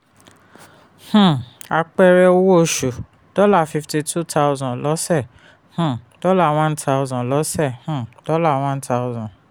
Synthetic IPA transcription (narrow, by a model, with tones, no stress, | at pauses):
h̩˦˨a˧k͡pɛ˧ɾɛ˧o˦wo˦˨ʃu˨ | d̥ɔ˦la˦˨fi˧fti˧tʰu˦tʰa˦˧ʊ˧zɔ̃˨lɔ˦sɛ˦˨ | h̩˦˨d̥ɔ˦la˦˨w̃ã˦ntʰa˧ʊ˧zɔ̃˨lɔ˨˦sɛ˦˨hũ˦˨d̥ɔ˦la˦˨w̃ã˦ntʰa˦ʊ˧zɔ̃˨